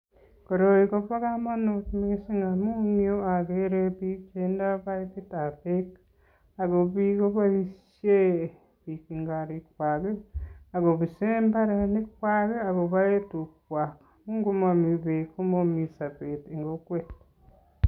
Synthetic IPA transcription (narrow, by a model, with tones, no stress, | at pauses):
ko˨ɾo˨iko˦βa˦ɣa˦ma˦notmesi˦ŋɡa˨mu˦njo˦a˨ɣeɾe˦βi˦t͡ʃe˦nda˦βa˦i˦βi˦ta˨βek | a˨ɣo˨βi˦ɣo˦βa˦i˦ʃje˦ | βi˨ki˨ŋɡa˨ɾi˨kwa˨ɣe˦a˨ɣo˨βi˨se˦mba˦ɾe˨ne˦kwa˦ɣe˦a˨ɣo˨βa˦e˦tu˨k̚wa˨k | mu˦ŋɡo˦ma˨mi˨βe˨ko˦mo˦mi˨sa˨pe˨te˨ŋɡo˦kwe˦t